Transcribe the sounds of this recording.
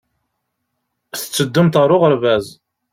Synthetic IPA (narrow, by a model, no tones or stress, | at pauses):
θə̥t͡sːəd̪ːəmt̪ʁɾˤʊʁəɾvæz